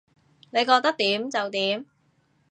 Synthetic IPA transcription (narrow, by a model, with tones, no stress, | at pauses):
ne˨˧jkɔː˧k̚t̪ɐ˥k̚t̪iː˨˥mt͡sɐ˨wt̪iː˨˥m